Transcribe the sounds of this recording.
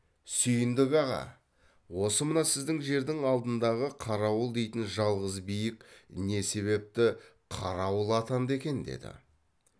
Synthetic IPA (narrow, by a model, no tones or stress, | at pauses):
sʏjɪnd̪ɪɡɑʁɑ̰ | wo̞səmənɑsɪzd̪ɪŋʒe̞ɾd̪ɪŋɑlˠd̪ənd̪ɑʁəqʰɑɾɑwəlˠd̪e̞jt̪ɪnʒɑlˠʁəzbijɪkne̞se̞βe̞p̚t̪ɪ | qʰɑɾɑwəlˠɑt̪ɑnd̪e̞kʲe̞nd̪e̞̰d̪ɪ̰